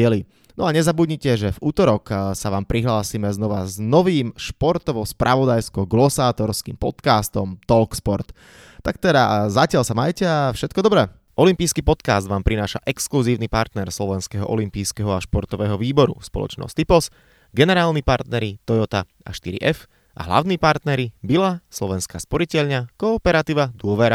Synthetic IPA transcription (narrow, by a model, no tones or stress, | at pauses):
ɛli | nɔaɲɛzabudɲicɛʒɛvuːt̪ɔɾɔksaʋaːmpɾiɦlaːsimɛznɔʋaznɔʋiːmʃpɔɾt̪ɔʋɔspɾʔaʋɔd̪ajskɔɡlɔsaːt̪ɔɾskḭːmpɔ̰t̪kaːst̪ɔmt̪ɔlkspɔɾt̪ | t̪ːak̚t̪ɛd̪a̰zacɪaʎsamajcɛafʃɛt̪̚kɔd̪ɔbɾɛ | ʔɔlimpiːskipɔt̪kaːzd̪ʋaːmpɾinaːʃa̰ʔɛkskluziːʊnipaɾt̪nɛɾslɔʋɛnskɛɦɔʔɔlimpiːskɛɦɔaʃpɔɾt̪ɔʋɛːɦɔʋiːbɔɾṵspɔ̰lɔ̰t͡ʃnɔ̰sʲt̪ipɔs | ɡɛnɛɾaːlnipaɾt̪nɛɾit̪ɔjɔt̪a | a̰ʃt̪iɾḭʔɛf | ʔa̰ɦla̰ʋʊniːpaɾt̪nɛɾibilaslɔʋɛnskaːspɔɾicɛʎɲakɔːpɛɾat̪iːʋad̪ʊɔʋɛɾa